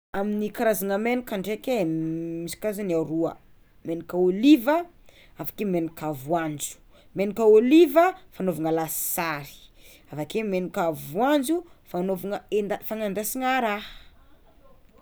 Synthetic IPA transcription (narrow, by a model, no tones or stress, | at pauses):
aminikaɾazanəmenikʲaɳɖ͡ʐekʲemisi̥kazaniaɾuə̰ | menikʲəolivə | afḁkemenikʲavwand͡ʒu̥ | menikʲəolivəfanovaŋəlasi̥saɾi̥ | avakemenikavuand͡ʒufanovaŋəed̪afaŋand̪asiŋaɾa